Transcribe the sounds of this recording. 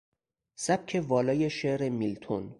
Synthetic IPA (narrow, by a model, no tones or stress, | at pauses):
sæb̚cʲʰe̞vɒːlɒːjeʃeʔɾemilt̪ʰon